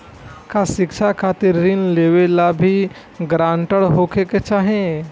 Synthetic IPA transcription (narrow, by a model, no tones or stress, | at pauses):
kasɪkʃʰakʰaːt̪ɪɾːɪnleːʋelabʱi | ɡɾãːɳʈəɽɦokʰeket͡ʃaːɦẽ